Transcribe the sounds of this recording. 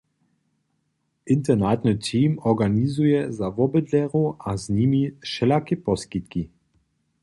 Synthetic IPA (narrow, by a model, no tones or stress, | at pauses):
ʔɪnt̪ɛnat̪nətʰiːmɔɡanizujɛzavɔbəd̪lɛʁuaznimiʃɛlakɛpɔskit̪ki